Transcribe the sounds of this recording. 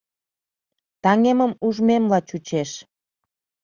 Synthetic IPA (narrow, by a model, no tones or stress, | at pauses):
t̪ɑŋeməmuʒmemlɑt͡ɕut͡ɕeʃ